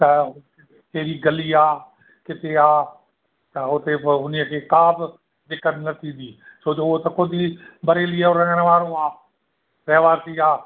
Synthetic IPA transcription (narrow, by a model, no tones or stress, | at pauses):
t̪ɐ | keːɾiːɡəliːaː | kɪt̪eːaː | t̪ɐʊt̪eːɦʊnijəkʰeːkaːb | d̪ɪkːənnət̪ʰĩːd̪iːsoːt͡ʃoot̪ɐkod̪iːbəɾeːlɪːeoɾə̃ŋənʋaːɾõːaː | ɾɛːʋaːsiːaː